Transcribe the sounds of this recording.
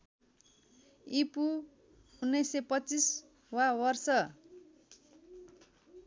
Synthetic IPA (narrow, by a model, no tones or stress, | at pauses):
ipu | unːʌjsepʌt͡sis | wawʌrsʌ